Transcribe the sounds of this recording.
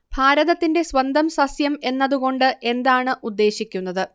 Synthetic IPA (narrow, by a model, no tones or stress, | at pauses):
b̥ʱaːɾɐðɐt̪ːinde̞sʋɐnd̪ɐmsɐsjɐme̞nːɐðuɣo̞ɳɖɨʔe̞nd̪aːɳɨʔud̪ːe̞ːɕikʲːunːɐðɨ